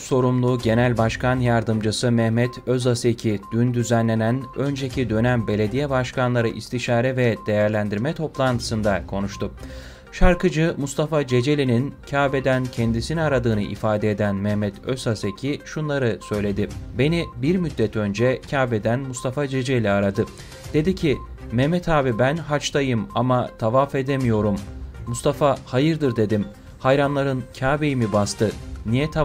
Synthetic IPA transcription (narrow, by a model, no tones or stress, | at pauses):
so̞ɾumlˠuɟe̞nælʲbaʃkanjaɾd̪ɯmd͡ʒɯsɯmɛhmɛt̪ʰøzasecʰid̪̥ynd̪yzænlʲe̞nænø̞nd͡ʒe̞cʰid̪ø̞næmbe̞lʲe̞d̪ijɛbaʃkʰanlˠaɾɯʔist̪ʰiʃaːɾɛvɛd̪̥e̞jæɾlʲænd̪iɾmɛt̪ʰo̞plˠant̪ʰɯ̥sɯnd̪akʰo̞nuʃt̪ʰʊ | ʃaɾkɯd͡ʒɯmust̪ʰafad͡ʒe̞d͡ʒe̞lʲinincʰaːbed̪æncʰend̪isiniaɾad̪ɯːnɯʔḭfaːd̪ɛed̪ænmɛhmɛt̪ʰøzase̞cʰiʃunlˠaɾɯsø̞jlʲe̞d̪ɪbe̞nibiɾmyd̪ːɛt̪ʰø̞nd͡ʒɛcʰaːbed̪ænmust̪ʰafad͡ʒe̞d͡ʒelʲiaɾad̪ɯ | d̪̥e̞d̪icʰimɛhmɛt̪ʰaːbibænɦat͡ʃt̪ajɯmamat̪ʰavafe̞d̪emijo̞ɾumːust̪ʰafahajɯɾd̪ɯɾd̪e̞d̪im | hajɾanlˠaɾɯncʰaːbejimibast̪ʰɯnijɛt̪ʰa